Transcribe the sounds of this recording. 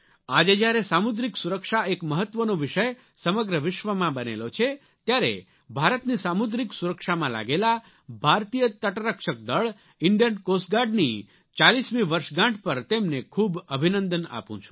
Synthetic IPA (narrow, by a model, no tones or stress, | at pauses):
ad͡ʒed͡ʒjaɾesamud̪ɾiksuɾəkʃaekməɦət̪ːʋənõʋɪʃəj | səməɡɾəʋɪʃʋəmãbənelot͡ʃʰe | t̪jaɾḛ | bʱaɾət̪nisamud̪ɾiksuɾəkʃamãla̰ɡela | bʱaɾt̪ijət̪əʈɾəkʃək̚d̪əɭ | ɪɳɖijənkosɡaɖni | t͡ʃalismiʋəɾʃɡãʈʰpəɾt̪emnekʰubəbʱinə̃nd̪əna̰pṵ̃t͡ʃʰu̥